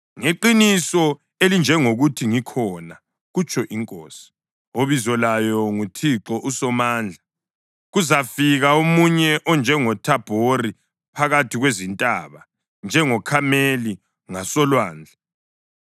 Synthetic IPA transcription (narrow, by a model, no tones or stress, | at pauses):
ŋeǃinisɔ | elind͡ʒʱɛŋoɣutʰiŋikʰɔna | ɣut͡ʃʰʼɔʔiŋkʼoːsi̥ | oβizɔlajɔŋutʰiǁɔʔusɔmaːnd͡ɮʱa | ɣuzafiɣaomuɲɛʔɔnd͡ʒʱɛŋɔtʰab̥ʱori | pʰaɣatʰiɣwezintʼaːβa | nd͡ʒʱɛŋɔkʰameli | ŋasɔlwaːnd͡ɮʱa